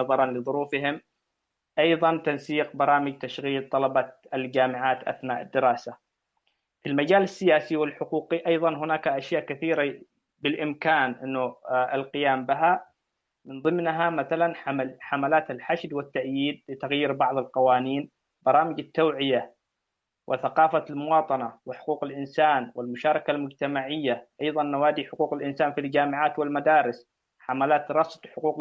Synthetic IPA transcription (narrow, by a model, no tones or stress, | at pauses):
ɑðˤɑɾˤɑnlɪðˤʊɾuːfɪɦɪm | ʔɑjðˤɑnt̪ansiːqbɑɾˤɑːmɪd͡ʒt̪aʃɣiːlt̪ˤɑlɑbɑald͡ʒaːmɪʕaːt̪ʔa̰θnaːʔɪ̰d̪ːɪɾɑːsa | filmad͡ʒaːlasːɪjaːsiwɪlħʊquːqiʔɑjðˤɑnɦʊnaːkaʔaʃjaːʔkaθiːɾa | bɪlʔɪmkaːnʔɪnːʊɪlqɪjaːmbɪɦa | mɪnðˤɨmnɦamaθalanħamalaːt̪alħaʃd̪wɪt̪ːaʔjiːd̪̚lɪt̪aɣjiːɾbɑʕðˤɑlqɑwaːniːn | bɑɾˤɑːmɪd͡ʒat̪ːawʕɪja | wʔɪθɑqɑːfalmʊwɑːt̪ˤɑnawɪħʊ̥quːqɪlʔɪnsaːnwɪlmʊʃɑːɾˤɑkalmʊd͡ʒt̪amaʕɪjːaʔɑjðˤɑnːawaːd̪iħʊquːqɪlʔɪnsaːnfild͡ʒaːmɪʕaːt̪wɪlmad̪aːɾɪs | ħamalaːt̪ɾˤɑst̪ħʊquːq